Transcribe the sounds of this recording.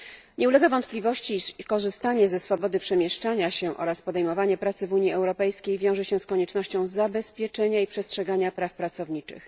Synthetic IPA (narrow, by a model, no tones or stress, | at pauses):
ɲɛulɛɡavɔnt̪̚plʲivɔɕt͡ɕikɔʐɘst̪aɲɛzɛsfɔbɔd̪ɘpʂɛmʲjɛʂt͡ʂaɲaɕɛʔɔ̰ɾaspɔd̪ɛjmɔvaɲɛpɾat̪sɘvuɲiɛwɾɔpɛjskʲejvʲjɔ̃w̃ʐɛɕɛskɔɲɛt͡ʂnɔɕt͡ɕɔ̃w̃zabɛspʲjɛt͡ʂɛɲaipʂɛstʂɛɡaɲapɾafpɾat̪sɔvɲit͡ʂɘ̰x